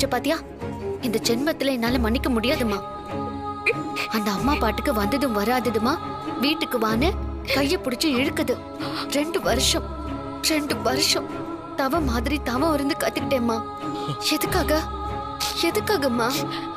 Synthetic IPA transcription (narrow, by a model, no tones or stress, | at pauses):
t͡ʃːɐpaːɾt̪ɪjaː | ɪnd̪ɐd͡ʒɛnmɐt̪ːɪlɐɛnːaːlɐmɐnːɪkːɐmʊɽɪjaːðɯmaː | ɐnd̪ɐːmːaːpaːʈːɯkːɯʋɐnd̪ɐðɯ̃ʋɐɾaːðɐðɯmaː | ʋiːʈːɯkːɯʋaːnɯ | kɐjːɐpʊɽɪt͡ʃːɯɪɻɯkːɐðɯ | ɾɛɳɖɯʋɐɾɯʂɐ̃ | ɾɛɳɖɯʋɐɾɯʂɐ̃ | t̪ɐʋɐ̃maːðɪɾit̪ɐʋɐ̃ɪɾɯnd̪ɯkɐt̪ːɯkɪʈːẽːmːaː | ɛðɯkːaːɣɐ | ɛðɯkːaːɣɐmːaː